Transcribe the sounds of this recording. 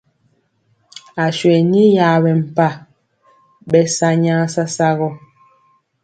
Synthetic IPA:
a˨ʃɥɛ˨ni˦jaː˨bɛ˨m̩˨pa˦˨ | bɛ˦sa˦ɲaː˦sa˦sa˦ɣɔ˦

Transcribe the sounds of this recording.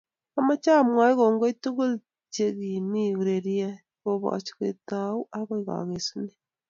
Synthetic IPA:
ama˦t͡ʃa˦˨mwa˨˦i˦ɣo˨ŋɡo˦i˦tu˦ɣo˦l | t͡ʃe˦ɣi˨ni˦ɣu˨ɾe˨ɾja˦ | ɣo˦βa̰˨t͡ʃi̥ɣḛ˨ta˨u˦ʔa˦ɣo˦iɣa̰˨ɣe˨su˦ne

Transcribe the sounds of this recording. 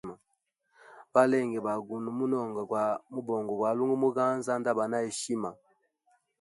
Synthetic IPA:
ma˨ | ba˦lɛ˦˨ŋɡɛ˨ba˨ɡu˨nu˨mu˦nɔ˦˨ŋɡa˨ɡwa˨mu˦bɔ˨ŋɡɔ˨ɡwa˨lu˦ŋɡu˦mu˦ɡa˦nza˦nda˦ba˨na˦e˨ʃi˦ma˨

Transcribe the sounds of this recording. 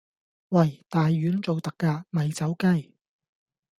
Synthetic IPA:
wɐ˨˩jt̪aː˨jːyː˨˥nt͡so˨wt̪ɐ˨kːaː˧mɐ˨jt͡sɐ˨˥wkɐ˥j

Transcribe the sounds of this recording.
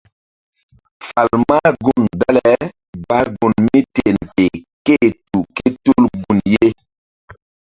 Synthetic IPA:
fa˨lma˦ɡu˨nda˦lɛ˨ | ba˦ɡu˨nmi˦te˨nve˨ke˦˨tu˨ke˦tu˦lɡu˨nje˦

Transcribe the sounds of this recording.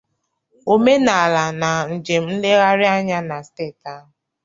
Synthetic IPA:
o˦me˦na˨a˨la˨na˨n̩˨d͡ʒe˨m̩˦n̩˦le˦ɣa˦ɾɪ˦a˦ɲa˦na˨steː˦˨ta˦ɦʊ˨

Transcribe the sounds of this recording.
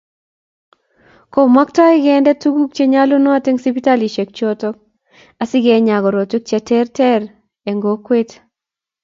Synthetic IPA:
ko˨ma˦ktɔ˦ɪ˦ɡɛ˦ndɛ˦tu˦ɡu˦k̚t͡ʃe˦ɲa˦lo˦nɔ˦a˨te˦ŋsi˦pi˦ta˦li˨ʃe˨k̚t͡ʃo˦tɔ˦k̚ | a˨sɪ˦ɡɛ˨ɲa˨ɡɔ˨ɾo˨to˦k̚t͡ʃɛ˨tɛ˦rtɛ˦ɾ | e˨ŋɡo˨kwe˦t

